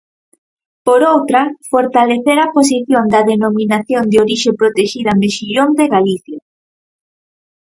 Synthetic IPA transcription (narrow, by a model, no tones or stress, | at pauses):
poɾowt̪ɾɐfoɾt̪aleθeɾapos̬iθjond̪ɐðenomĩnaθjond̪eoɾiʃepɾot̪eʃiðameʃiʎond̪eɣaliθja